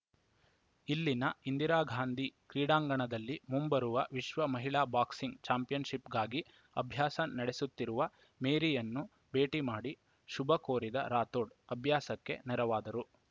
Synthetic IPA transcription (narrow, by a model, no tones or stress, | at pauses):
ilːinɐind̪iɾaːɡʱaːnd̪ikɾiːɽaːŋɡɐɳɐd̪ɐlːimumbɐɾuʋɐʋiʃʋɐmɐɦiɭaːbaːksiŋɡt͡ʃaːmpijɐnʃipɡaːɡi | ɐbʱjaːsɐnɐɽesut̪ːiɾuʋɐ | meːɾijɐnːu | be̞ːʈimaːɽi | ʃubɐkoːɾid̪ɐ̰ɾaːt̪o̞ːɖɐbʱjaːsɐkːe̞̰nɛɾɐʋaːd̪ɐɾu